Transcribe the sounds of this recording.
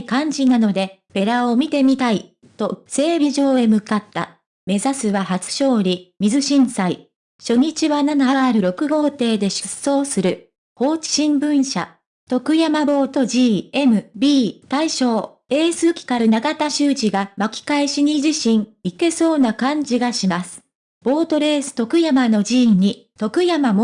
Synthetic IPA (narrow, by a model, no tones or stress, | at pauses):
kãɲ̟d͡ʑinano̞d̪e̞ | pe̞ɾaomʲit̪e̞mʲit̪ai | t̪o̞se̞ːbʲiʑo̞ːe̞mɯ̟kat̪ːa̰ | me̞zasɨβahat͡sɨ̥ɕo̞ːɾʲimʲizɨɕĩɰ̃sai | ɕo̞ɲ̟it͡ɕiβananaaɾɯ̟ɾo̞kɯ̟ɡo̞ːt̪e̞ːd̪e̞ɕɨ̥sːo̞ːsɨɾɯ̟ | ho̞ːt͡ɕi̥ɕĩmbɯ̟̃ɰ̃ɕa̰ | t̪o̞kɯ̟jamabo̞ːt̪o̞ʑiːe̞mɯ̟bʲiːt̪aiɕo̞ː | e̞ːsɨːkʲi̥kaɾɯ̟naɡat̪aɕɨːʑiɡamakʲi̥kaiɕiɲ̟iʑiɕĩŋike̞so̞ːnakãɲ̟d͡ʑiɡaɕimasɨ̥ | b̥o̞ːt̪o̞ɾe̞ːsɨ̥t̪o̞kɯ̟jamano̞d͡ʑiːɲ̟it̪o̞kɯ̟jamamo